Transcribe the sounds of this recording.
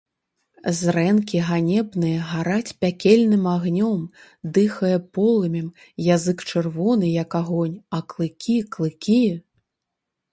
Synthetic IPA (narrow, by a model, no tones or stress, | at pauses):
zrɛnkʲiɣanʲɛbnɨjɐɣaɾat͡sʲpʲakʲɛlʲnɨmaɣnʲɔm | d̪ɨxɐjɛpɔlˠɨmʲim | jazɨkt͡ʂɨrvɔnɨjɐkaɣɔnʲɐklˠɨkʲiklˠɨkʲi